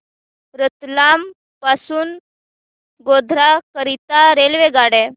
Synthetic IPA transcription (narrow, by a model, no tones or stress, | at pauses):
ɾət̪lam | pasuːn | ɡod̪ʱɾakəɾit̪aɾelʋeɡaɽɛ